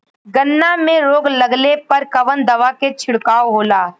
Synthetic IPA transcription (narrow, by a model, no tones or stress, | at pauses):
ɡənːamẽɾoːɡlɐɡlepɐɾkɐʋənd̪ɐʋaket͡ʃʰɪɽkaːoɦoːlaː